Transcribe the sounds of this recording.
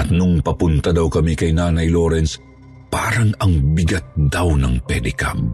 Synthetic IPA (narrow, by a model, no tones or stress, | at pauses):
ɐt̪nʊŋpɐpʊnt̪ad̪awkɐmikɐjnaːnɐjloːɾɛns | paːɾɐŋɐŋbɪɡat̪̚d̪awnɐŋpɛd̪ɪka̰m